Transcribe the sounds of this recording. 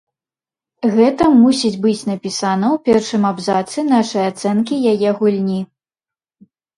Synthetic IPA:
ɣɛt̪ɐmusʲid͡zʲbɨt͡sʲnɐpʲisanɐwpʲɛrʂɨmabzat̪sɨnaʂɨjat̪sɛnkʲijajɛɣulʲnʲi

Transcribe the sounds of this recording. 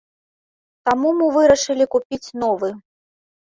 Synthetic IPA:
t̪amumɨvɨɾɐʂɨlʲikupʲit͡sʲnɔvɨ

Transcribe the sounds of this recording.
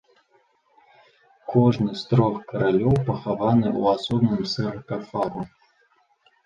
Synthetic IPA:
kʰoʐnɨst̪ɾoxkəɾalʲowpəxavanɨʔṵasobnɨmsɨrkafaɾʊ

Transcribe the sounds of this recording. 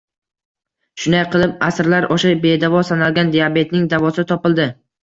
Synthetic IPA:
ʃʊnd̪ajqʰɨlˠɪp̚asɾlaɾoʃabe̞d̪avɒsanalˠɡʲand̪eabe̞t̪nɪŋd̪avɒsɪt̪ʰɒpɪlˠd̪ɪ

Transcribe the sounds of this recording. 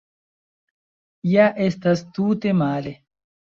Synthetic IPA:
jaːʔest̪ɐst̪uːt̪emaːle

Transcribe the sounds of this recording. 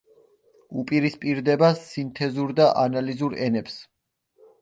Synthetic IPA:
upʼiɾispʼiɾd̪ɛbasːint̪ʰɛzuɾd̪aʔanalizuɾɛnɛps

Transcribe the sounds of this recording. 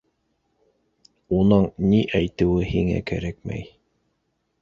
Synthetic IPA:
unɤɴniʔæjt̪ɘ̆wɘhiŋæ̰kæɾækmæ̰j

